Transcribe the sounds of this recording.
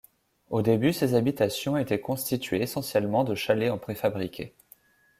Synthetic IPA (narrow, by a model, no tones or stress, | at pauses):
od̪ebysezabit̪asjɔ̃et̪ɛkɔ̃st̪it̪ɥeːsɑ̃sjɛlmɑ̃d̪əʃaleɑ̃pχefabʁikʲʰe